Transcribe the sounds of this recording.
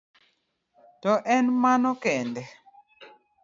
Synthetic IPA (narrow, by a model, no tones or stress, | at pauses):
tɔʔɛnmanɔkɛndɛ